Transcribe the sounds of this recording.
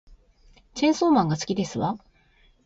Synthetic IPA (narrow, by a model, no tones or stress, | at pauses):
t͡ɕẽ̞ɰ̃so̞ːmãŋɡasɨ̥kʲid̪e̞sɨβa